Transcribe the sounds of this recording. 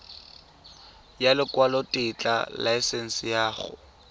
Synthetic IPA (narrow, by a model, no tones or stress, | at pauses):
jalɪkwalɔtʼɪt͡ɬʼa̰laɪsɛn̩sɪjaːχʊ̰